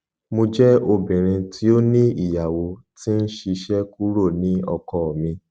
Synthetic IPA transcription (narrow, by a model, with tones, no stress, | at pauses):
mo˧d͡ʒɛ˦o˧˨bĩ˨ɾ̃ĩ˧tʰi˦o˦nĩ˦i˦˨ja˨wo˧ | ti˦n̩˦ʃi˧ʃɛ˦ku˦ɾo˦˨nĩ˨˦ɔ̰˧kɔ˨mĩ˧